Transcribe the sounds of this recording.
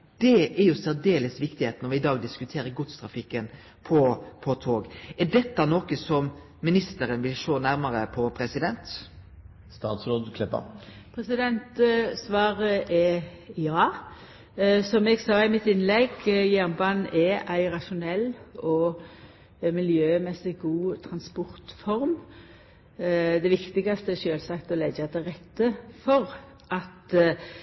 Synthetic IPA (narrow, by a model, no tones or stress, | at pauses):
d̪̥ɛæɾjʊsæɾd̪eːləsʋɪkt̪ɪheːt̪nɔɾʋɪɪd̪ɑːɡd̪ɪskʉt̪ʰeːɾəɡʊt̪st̪ʰɾɑfɪkːən | pʰɔpʰɔt̪ʰoːɡɛɖɛt̪ːɑnoːkəsɔm | mɪnɪst̪əɾənʋɪlʃoːnæɾməɾəpʰɔpʰɾɛsɪd̪ɛnt̪ | st̪ɑːt̪sɾɔd̪kʰlɛpːə̰ | pʰɾɛsɪd̪ɛnt̪sʋɑːɾəʔɛjɑː | sɔmɛɡsɑːɪmɪt̪ɪnlɛɡjæʁnbɑnːɛʔæɪʁɑʃʊnɛlːɔ | mɪljøːmɛsɪɡuːt̪ʰʁɑnspɔʁt̪fɔɾm | d̪ɛʋɪkt̪ɪɡɑst̪əɛʃøːlsɑkt̪ɔlɛɡɑd̪ɛʁɛt̪ːəfɔʁ | ʔɑt̪